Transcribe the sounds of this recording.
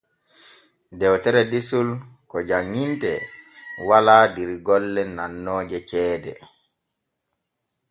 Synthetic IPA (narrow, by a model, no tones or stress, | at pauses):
dɛwtɛɾɛdisulkɔd͡ʒaŋːintɛ | walaːdiɾɡɔlːɛnanːɔːd͡ʒɛt͡ʃɛːdɛ̰